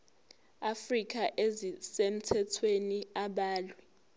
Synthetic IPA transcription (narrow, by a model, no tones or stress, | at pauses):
afrik̬ʼʰaʔezisem̩tʰɛtʰweniaɓaːlwɛ